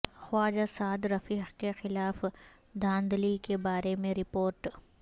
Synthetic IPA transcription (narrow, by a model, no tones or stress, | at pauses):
xwaːd͡ʒasaːd̪ɾɐfiːxkexɪlaːf | d̪ʱãːnd̪likebaːɾemẽɾɪpoːɾʈ